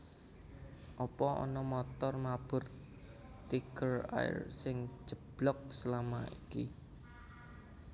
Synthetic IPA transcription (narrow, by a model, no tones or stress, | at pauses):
ʔɔpɔɔ̰nɔmɔt̪ɔrmab̥ʊr | t̪ikəra̰rsɪŋ̥ʒ̥əb̥lɔk̚səlama̰ʔiki